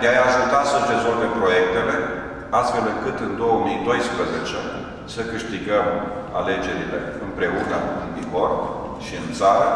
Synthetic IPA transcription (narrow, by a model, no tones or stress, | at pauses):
d̪eajaʒut̪asəɾe̞zo̞lve̞mpɾo̞je̞k̚t̪e̞le̞ | ast̪fe̞lɨŋkɨt̪ɨnd̪o̞wəmijd̪o̞jspɾəzet͡ʃe | səkɨʃt̪iɡəm | a̰le̞d͡ʒe̞ɾile̞ɨmpɾe̞unəkup̪id̪ivor | ʃiɨnt̪saɾa